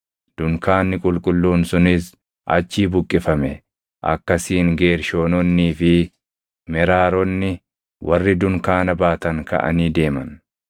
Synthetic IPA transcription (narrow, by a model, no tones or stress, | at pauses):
d̪̥ʊŋkaːnːɪkʼʊlkʼʊlːuːnsʊnɪs | ʔɐ̰t͡ʃːiːbʊkʼːɪfɐmɛ | ʔɐ̰kːɐsiːŋɡeːɾʃo̞ːnɔnːiːfɪ | mɛɾaːɾɔnːɪ | wʔɐrːɪd̪ʊŋkaːnɐbaːt̪ɐŋkɐ̰ʔɐ̰niːd̪e̞ːmɐn